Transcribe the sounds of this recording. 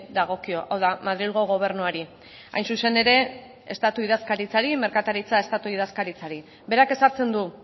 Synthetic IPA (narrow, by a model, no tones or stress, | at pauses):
d̪aɣ̞o̞kio̞ʔawðamaðɾilɣo̞ɣ̞o̞β̞e̞ɾnuaɾi | a̰jnsuse̞ne̞ɾe̞ | est̪at̪uið̞askaɾit͡saɾime̞ɾkat̪aɾit͡sae̞st̪at̪uið̞askaɾit͡saɾi | be̞ɾake̞saɾt͡se̞nd̪u